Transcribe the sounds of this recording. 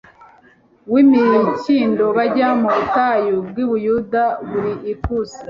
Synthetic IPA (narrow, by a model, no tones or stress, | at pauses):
wimiciːndo̞βaɟamuβutajob̚ɡwiβujuːdaβuɾiʔikusi̥a